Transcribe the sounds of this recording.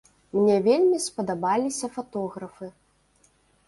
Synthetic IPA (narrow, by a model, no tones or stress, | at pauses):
mnʲɛvʲelʲmʲispɐd̪abalʲisʲɐfat̪ɔɣɾɐfɨ